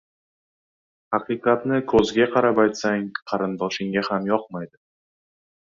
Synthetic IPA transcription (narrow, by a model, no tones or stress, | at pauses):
hɑqɨjqɑt̪nɪkʰɵzɡʲaqʰɑɾapajt̪saŋqʰɑɾɪnd̪ɒʃɪŋɡʲahamjɒqmajd̪ɪ